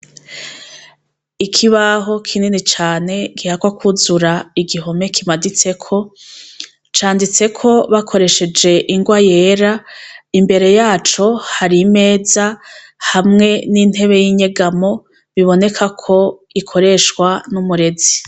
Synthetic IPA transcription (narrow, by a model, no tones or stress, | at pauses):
ikʰiβaɦo̞kʰininit͡ʃaːne̞ɡihakwakʰuzuɾaiɡiɦo̞me̞kʰimadit͡se̞kʰo̞ | t͡ʃaːndit͡se̞kʰo̞βakʰo̞ɾe̞ʃe̞d͡ʒe̞ʔiŋɡwaje̞ːɾaimbe̞ɾe̞jaːt͡ʃo̞haɾime̞ːza | hamŋe̞nin̥he̞βe̞jiɲe̞ɡamo̞ | βiβo̞ne̞kʰakʰo̞ikʰo̞ɾe̞ʃkwanumuɾe̞zi̥